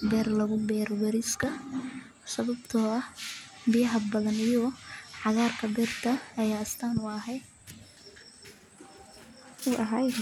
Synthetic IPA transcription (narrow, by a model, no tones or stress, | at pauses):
bɛːrlɐɣʊbɛːɾɔwɛɾɪskʰɐ | sɐβɐbt̪ʰɔːɐhbɪjɐɦɐbɐðɐnijɔʕɑɣaːrkʰɐbɛːrt̪ʰɐːjaːst̪ʰaːnʊɐɦɛj | ʊɐɦaj